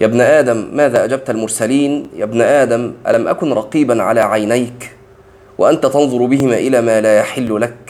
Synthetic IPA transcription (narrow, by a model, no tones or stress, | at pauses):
jaːbnʔaːd̪amːaːðaːʔad͡ʒab̚t̪almʊɾˤsaliːnjaːbnaʔaːd̪amʔa̰lamʔa̰kʊnɾˤɑqiːbanʕa̰laːʕajnajk | wa̰ʔant̪at̪ɑnðˤʊɾbɪhɪmaːʔɪlaːmaːlaːjaħɪlːʊlak̚